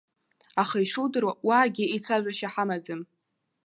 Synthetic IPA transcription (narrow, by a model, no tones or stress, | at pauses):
aχajʂuwdɨrawaːɡʲiit͡sʷʰaʒʷaʃaħamad͡zɨm